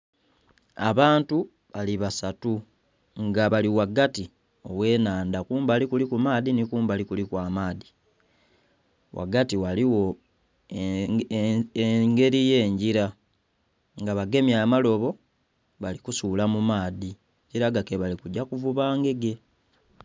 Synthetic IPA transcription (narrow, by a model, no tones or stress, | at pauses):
a̰βaːntu | βaliβasatu | ŋɡaβaliwaɡati | o̞we̞ːnaːndakuːmbalikulikumaːðinikuːmbalikulikwaːmaːði | wʔa̰ɡatiwaliwo̞ | eŋɡe̞ɾije̞ːɲɟiɾa | ŋɡaβaɡe̞mjamalo̞βo̞ | βalikusuːlamumaːði | ɲɟiɾaɡakeβalikuɟakuvuβaːŋɡe̞ɡe̞